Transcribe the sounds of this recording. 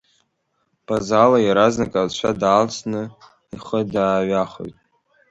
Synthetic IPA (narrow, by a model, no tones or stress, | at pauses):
b̥azalajaɾaznakʼalt͡ʃʷʰa̰daːlt͡sʰnɨ | iχədaːɥaχo̰jtʼ